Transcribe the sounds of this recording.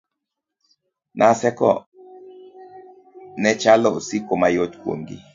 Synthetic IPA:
nʔasɛkɔ̰ | nɛt͡ʃalɔosikomajotkwo̰ŋɡḭ

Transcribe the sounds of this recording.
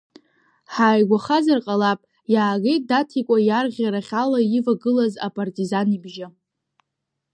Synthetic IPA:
ħaːjɡʷaχazarqʼalapʼ | jaːɡejt̚ʼdatʰikʷʼajarʁʲaɾaχʲalaivaɡɨlaza̰pʼartʼizanibʒɪ

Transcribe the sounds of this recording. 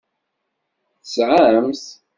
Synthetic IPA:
θəsʕaamθ

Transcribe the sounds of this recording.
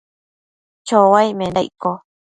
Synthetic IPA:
t͡ʃowajmẽnajko

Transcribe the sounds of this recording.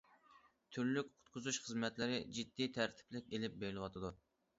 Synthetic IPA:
t̪ʰyɾlykʲqʰʊ̥t̪̚qʰʊzuʃχəzmɛt̪lɪɾɪd͡ʒid̪ːijt̪ʰæɾt̪ʰɪ̥plɪk̚ʲelɪp̚beɡlˠɨwɑt̪ʰɨd̪u

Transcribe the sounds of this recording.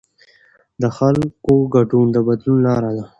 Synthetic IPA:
d̪əxalkoɡaɖund̪əbad̪lunlɑɾad̪a

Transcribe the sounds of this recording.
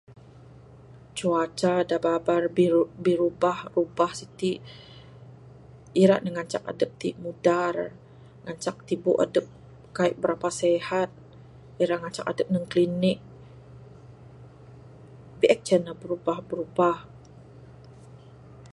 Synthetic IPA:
t͡ʃuat͡ʃadababarbiɾubahrubahsit̪i | iɾa̰ʔnəŋaɲt͡ʃa̰k̚a̰dəp̚t̪imudar | ŋaɲt͡ʃak̚t̪ibuʔa̰dəp̚ | kaiʔ̚bəɾapasɛhat̪̚ | iɾaʔŋaɲt͡ʃa̰kadəp̚nəŋklinɪk̚ | biʔɛk̚t͡ʃənabəɾubahbəɾubah

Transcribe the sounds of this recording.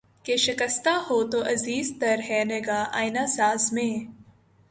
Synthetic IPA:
keʃɪkəst̪ahoːt̪oʔɐziːzt̪ɐɾɦɛːneɡaːʔaːjnasaːzmẽː

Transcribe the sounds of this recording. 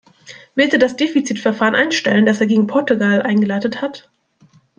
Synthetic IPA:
vɪlstiːɐdasd̥eːfit͡siːtfɛɐfaːʁənʔaɪnʃtɛlənd̥aseːɐɡeːɡŋ̩pʰɔɐtuɡalʔaɪnɡəlaɪtəthat

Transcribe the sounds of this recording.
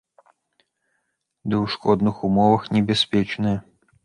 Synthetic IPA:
d̪ɨwʂkɔd̪nɨxumɔvɐxnʲɛbʲɛspʲɛt͡ʂnɨjɐ

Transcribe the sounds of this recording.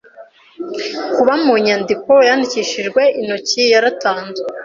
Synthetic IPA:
kuβamuɲandiko̞jandiciʃiʒɡwe̞ʔinocijaɾataːnzwe

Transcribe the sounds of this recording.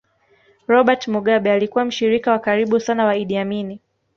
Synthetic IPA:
ɾɔɓatmuɠaɓɛalikuwam̩ʃiɾikawakaɾiɓusanawaiɗiamini

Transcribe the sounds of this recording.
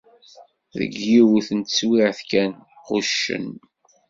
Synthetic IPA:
ðə̰ɡːiwθənt̪əswiʕθkæn | quʃːə̰n

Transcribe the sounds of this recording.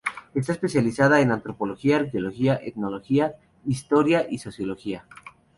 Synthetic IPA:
e̞st̪aespe̞sjalisað̞ae̞nant̪ɾo̞po̞lo̞xiaɾkjolo̞xiaʔet̪no̞lo̞xia | ist̪o̞ɾjaʔiso̞sjo̞lo̞xia

